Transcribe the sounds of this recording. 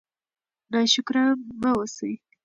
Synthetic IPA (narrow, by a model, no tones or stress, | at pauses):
nɑʃʊkɾamawosəj